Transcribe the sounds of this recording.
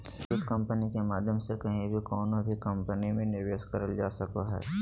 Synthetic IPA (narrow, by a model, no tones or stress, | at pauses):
ɪskɐ̃mpənikemaːd̪ʱjəmsekɐɦĩbʱikɔːnobʱikɐ̃mpənimẽnɪɾʋeːʃkɐɾəld͡ʒaːsɐkoɦɛ̰ː